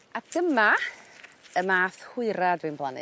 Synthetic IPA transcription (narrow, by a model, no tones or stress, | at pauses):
aɡ̥əma | əmaːθhʊɨɾadwɨnblˠanɨ̰